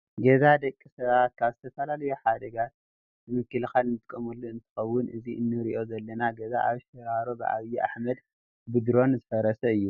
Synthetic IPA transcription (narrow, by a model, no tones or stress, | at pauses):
ɡezad̪ɐkʼːisɐβat̪̚kʰaβzɨt̪ʰɐfɐlalɐjuħad̪ɐɡat̪̚ | bɨmɨkːɨlxalnɨt̪ʼɨkʼɐmulːoɨnt̪ʰɨ̥xɐwːʊnʔɨziʔɨnːɨɾiʔo̞zɐlːɐnaɡezaʔaβʃɐɾaɾobɨʔa̰βjiʔa̰ħmɐd̪ | bɨd̪ɾo̞nzɨfɐɾɐsɐɨjːu